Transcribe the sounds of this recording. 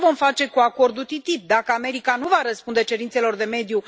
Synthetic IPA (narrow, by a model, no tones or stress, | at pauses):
vo̞mfat͡ʃe̞kuako̞rd̪ut̪it̪ip̚d̪akəame̞ɾikanuvaɾəspund̪e̞t͡ʃe̞ɾint̪se̞lo̞rd̪e̞me̞d̪ju